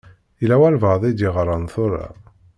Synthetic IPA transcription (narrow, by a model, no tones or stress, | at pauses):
ilæwælvəðˤid̪iʁɾˤːɑnθʊɾˤa̰